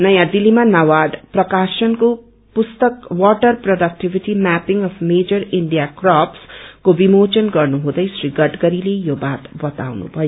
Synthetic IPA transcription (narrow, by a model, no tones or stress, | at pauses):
nʌjãd̪ilimanawaɖprʌkasʌnko | pust̪ʌkwɔʈʌrproɖʌk̚ʈibʱiʈimæpiŋʌpʰmed͡ʒʌriɳɖijakrapskobimot͡ʃʌnɡʌrnuɦũd̪ʌjsriɡʌʈɡʌɾilejobat̪bʌt̪a̰wnṵbʱʌjo